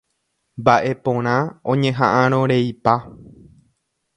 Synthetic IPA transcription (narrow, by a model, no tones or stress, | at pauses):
mbaʔe̞põ̞ɾ̃ãõɲẽ̞ɦãʔãɾ̃õɾe̞ipa